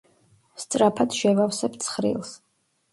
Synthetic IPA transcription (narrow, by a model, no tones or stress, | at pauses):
st̪sʼɾapʰad̪ʃɛvawsɛbt̪sʰχɾḭlˠs